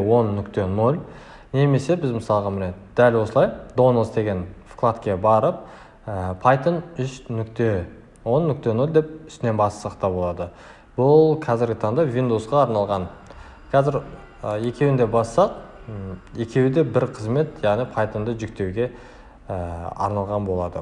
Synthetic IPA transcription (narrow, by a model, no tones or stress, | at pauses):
wo̞nːʏkt̪e̞no̞lʲ | ne̞me̞se̞bɪzməsɑlˠəʁɑmɪned̪d̪̥ælwosəlˠɑjd̪o̞nəlˠsd̪e̞ɡʲe̞nfklˠat̪kʲe̞bɑɾəp̚ | əpʰɑjt̪ənʏʃnʏkt̪e̞ | wo̞nːʏk̚ʲt̪e̞no̞lʲd̪e̞p̚ʏ̥st̪ɪne̞nbɑst̪ə̥sɑqt̪ɑbo̞lˠɑd̪ə | bʊlˠqʰɑzɪɾɡʲɪt̪ʰɑɴd̪ɑvʲind̪uwsqɑːɾnɑlˠʁɑn | kʰɑzɪɾ | əje̞kʲe̞wɪnd̪e̞bɑsːɑq | je̞kʲe̞wɪd̪e̞bɪɾqʰəzme̞t̪jɑʁnijpʰɑjt̪ənd̪əʒʏk̚t̪e̞wɡʲe̞ | ɑ̰ɾnɑlˠʁɑnbo̞lˠɑd̪ə